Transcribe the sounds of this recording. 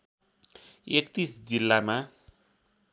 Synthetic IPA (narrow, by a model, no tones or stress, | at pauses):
ekt̪isd͡zilːama